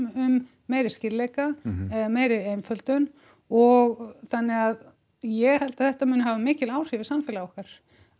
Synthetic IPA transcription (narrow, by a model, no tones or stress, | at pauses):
ʏmː | eːjɾɪscɪɾlejkaɛðameːjɾɪeːjnfœlt̪œn | ɔɣθanːɪɣað | jɛɣhɛlt̪ḁθɛht̪amʏːnʏhavʏmɪːcɪlaːwr̥ɪvɪ̥samfɪːlaɔhkaɾ̥